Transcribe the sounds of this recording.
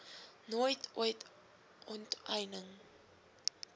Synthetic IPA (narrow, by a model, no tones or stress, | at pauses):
noəjtʰṵəjt | ʔɔntɐjnəŋ